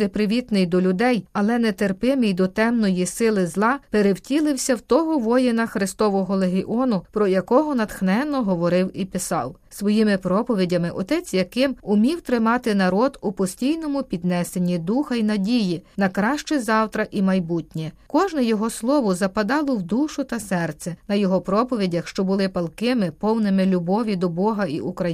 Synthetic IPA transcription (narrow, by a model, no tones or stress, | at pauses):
ɪpɾɪʋʲit̪nɪjd̪ɔlʲʊd̪ɛjɐlˠɛnɛt̪erpɪmɪjd̪ɔt̪ɛmnɔjisɪlˠɪzlˠɑpeɾewtʲilˠɪwsʲɐwt̪ɔɦɔʋɔjɪnɐxɾɪst̪ɔʋɔɦɔlˠeɦɪʔɔnʊpɾɔjɐkɔɦɔnɐt̪xnɛnːɔɦɔʋɔɾɪwipɪsɑ̰wsʋɔjimɪpɾɔpɔʋʲidʲɐmɪʔɔt̪ɛt͡sʲjɐkɪmʊmʲiwt̪ɾɪmɑt̪ɪn̪ɐɾɔd̪ʊpɔsʲtʲijnɔmʊpʲid̪nɛsenʲːid̪uxɐinɐdʲijinɐkɾɑʃt͡ʃɛzɑwt̪ɾɐʔimɐjbutʲnʲɛkɔʒnɛjɔɦɔslˠɔʋʊzɐpɐd̪ɑlˠɔwd̪uʃʊt̪ɐsɛrt̪sʲɛnɐjɔɦɔpɾɔpɔʋʲidʲɐxʃt͡ʃɔbʊlˠɪpɐlˠkɪmɪpɔwnɪmɪlʲʊbɔʋʲid̪ɔbɔɦɐḭʔukɾɐ